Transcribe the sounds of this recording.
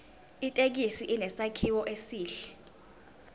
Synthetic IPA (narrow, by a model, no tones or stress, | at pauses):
itʼek̬isiʔinɛsakʰiwɔʔesiːɬɛ̥